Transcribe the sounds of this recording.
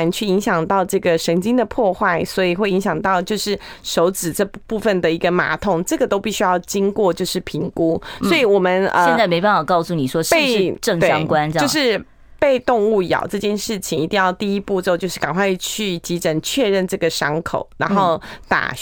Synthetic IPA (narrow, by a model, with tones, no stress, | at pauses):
nt͡ɕʰy˥˩i˧˥ŋɕjɑ˨˩ŋt̪ɑ˥˧ʊʈ͡ʂɤ˥˩ɡə˩ʂə˧˥ŋt͡ɕi˥ŋd̪ə˨pʰwɔ˥˧xwa˥˩ɪswɔ˧˥i˨xwe˥˩ɪi˧˥ŋɕjɑ˨˩ŋt̪ɑ˥˩ʊt͡ɕjo˥˧ʊʂɻ̩˥˩ʂo˧˥ʊt͡sɹ̩˨˩ʈ͡ʂɤ˥˧pu˥˩fə˥˩nd̪ə˩i˧˥ɡə˧ma̰˧˥t̪ʰʊ˥˩ŋʈ͡ʂɤ˥˩ɡə˩t̪o˥ʊpi˥˩ɕy˥jɑ˥˩ʊt͡ɕi˥ŋkwɔ˥˧t͡ɕjo˥˧ʊʂɻ̩˥˩pʰi˧˥ŋku˦sɔ˧˥i˨˩wɔ˨˩mə˦nə̰˧˥˧t͡sa˥˩me˧˥ɪpa˥˩nfɑ˨˩kɑ˥˧ʊsu˥˩ni˨˩ʂwɔ˥ʂe˥˧ɪʂɻʈ͡ʂə˥˩ŋe˥ɑ˥ŋkwa˦˥nt͡ɕʊʂɻ̩˥˧ | pe˥˧ɪt̪ʊ˥˧ŋu˥˩jɑ̰˨˩ʊʈ͡ʂɤ˥˧t͡ɕjɛ˥˧nʂɻ̩˥˩t͡ɕʰi˨˩ŋi˧˥t̪i˥˧ŋjɑ˥˧ʊt̪i˥˩i˥pu˥˧ʈ͡ʂ̩˥˧ʊt͡ɕjo˥˧ʊʂɻ̩˥˩ka˨˩ŋxwa˥˧ɪt͡ɕʰy˥˩t͡ɕi˧˥ʈ͡ʂə˨˩nt͡ɕʰɥɛ˥˧ɻə˥˧nʈ͡ʂɤ˥˩ɡə˩ʂɑ˥ŋkʰo̰˨˩ʊna˧˥nxo˥˩ʊt̪a̰˨˩